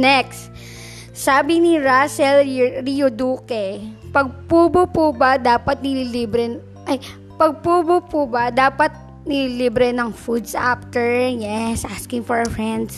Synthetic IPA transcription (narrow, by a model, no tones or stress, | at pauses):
nɛkst̪ | saːbɪnɪɾasɛlɾijod̪uːkɛ | pɐɡ̚puːbopubad̪aːpɐt̪̚nɪliliːbɾɛn | ʔɐj | pɐɡ̚puːbopʊbɐd̪aːpɐt̪̚ | nɪliliːbɾɛnɐŋfud̪sap̚t̪ɛɹjɛsʔaskɪŋfɔɹɐfɹɛnd̪s